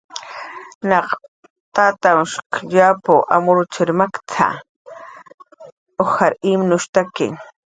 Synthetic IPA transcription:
naq | t̪at̪awʃkʎapoʔa̰mʊɾʊt͡ʃɪɾmakt͡sʰa̰ | oxaɾimnʊʃt̪akɪ̰ŋ

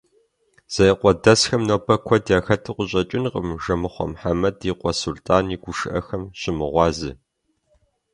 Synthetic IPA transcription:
z̥ɐjqʷɔdɐsxɐmnowpʰɐkʷʰɔdjaːxɐtʰɨqʷʊɕʼɐt͡ʃʼɪnqə̰mʒɐmɨχʷɔ̰mħamɐdiqʷʼɔsultʰʼaːniɡʷʊʃɨʔɐxɐmɕʼɪmɨʁʷɑːzɨ̰

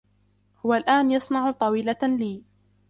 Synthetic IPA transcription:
hʊwalʔaːnjɑsˤnɑʕt̪ˤɑwiːlaliː

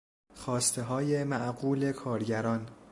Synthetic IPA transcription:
xɒːst̪ʰeɦɒːje̞mæʔɡuːle̞kʰɒːɾɟæɾɒːn

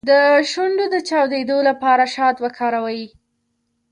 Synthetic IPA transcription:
d̪əʃuɳɖod̪ət͡ʃɑwd̪ed̪olapɑɾaʃɑt̪wəkʰɑɾawaji

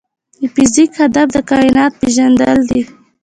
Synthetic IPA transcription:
d̪əfɪzikhad̪afd̪əkɑɪnɑt̪̚peʒand̪əld̪i

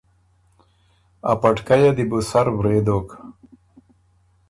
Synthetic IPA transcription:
a̰pɐʈkajad̪ibusaɾwɾeːd̪oːk

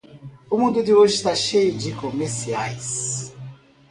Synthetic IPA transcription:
ʊmũnd̪ʊd̪ɪoʒɪst̪aʃejʊd͡ʒikomeɾsiajs

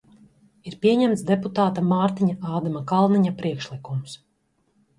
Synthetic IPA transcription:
iɾpiɛɲɛmt̪sd̪eput̪aːt̪amaːɾt̪iɲaʔaːd̪amakalˠniɲapɾiɛkʃlˠikums

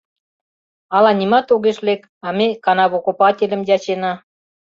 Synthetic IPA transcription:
ɑlɑnʲimɑt̪oɣeʃlek | ɑmʲekɑnɑβokupɑtʲelʲə̆mjɑt͡ɕenɑ

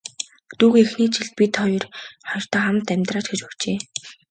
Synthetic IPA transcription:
t̪uːɣexniːt͡ɕʰĭɮ̚pʲit̪ɔjɞrχɔjɞ̆r̥t̪aːχamt̪æmʲt̪raːt͡ɕɡet͡ɕuw̥t͡ɕeː

